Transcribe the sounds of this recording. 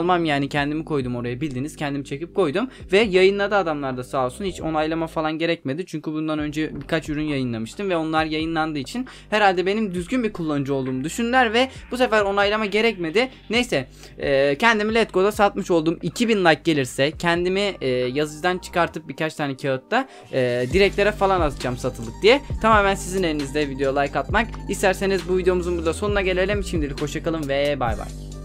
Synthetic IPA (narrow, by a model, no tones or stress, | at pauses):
lˠmamjaːnicʰɛnd̪imikʰo̞jd̪umo̞ɾajabilʲd̪iniz̥cʰɛnd̪imit͡ʃʰe̞cip̚kʰo̞jd̪umvɛjajɯnlˠad̪ɯad̪amlˠaɾd̪asaːlˠsunhit͡ʃo̞̰najlˠamafalˠanɟe̞ɾɛc̚me̞d̪it͡ʃʰyɲcʰybund̪anø̞nd͡ʒɛbikʰat͡ʃyɾynjajɯnlˠamɯʃt̪ʰɯmvɛo̞nlˠaɾjajɯnlˠand̪ɯːit͡ʃʰin | hɛɾalʲd̪ɛbe̞nimd̪yzɟynbiɾkʰulˠːand͡ʒuo̞lˠd̪uːmd̪yʃynlʲæɾvɛb̥us̬efæɾo̞najlˠamaɟe̞ɾɛc̚me̞d̪ɪ | nejsɛː | cʰɛnd̪imilʲɛt̪̚ko̞d̪asat̪mɯʃo̞lˠd̪uːmicʰibinlˠajk̚ɟe̞lʲiɾsɛcʰɛnd̪imiːjazɯd͡ʒd̪ant͡ʃʰɯ̥kaɾt̪ʰɯp̚bikʰat͡ʃt̪ʰaːnɛcʰeot̪̚ːaː | d̪iɾɛc̚t̪lʲe̞ɾɛfalˠanat̪ʰɯd͡ʒamsat̪ʰɯlˠd̪ɯk̚d̪ijɛt̪ʰamaːmænsizine̞ɾinizd̪ɛvid̪eo̞lˠajkat̪̚makist̪ʰæɾse̞nizbuvid̪eo̞muzunbuɾd̪ˠaso̞nunaɟe̞lʲeilʲemiʃimd̪ilʲikho̞ʃakalˠɯmvɛeba̰jva̰j̥